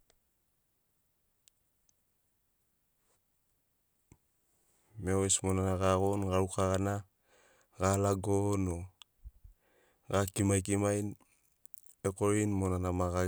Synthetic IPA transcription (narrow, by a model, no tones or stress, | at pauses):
meoesmonanaɡaɣonɡaɾukaɣana | ɡalaɡono | ɡakimajkimajn | ekoɾinmonanamaɣa